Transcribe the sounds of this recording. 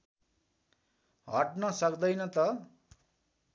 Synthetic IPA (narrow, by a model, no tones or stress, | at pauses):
ɦʌʈnʌsʌkd̪ʌjnʌt̪ʌ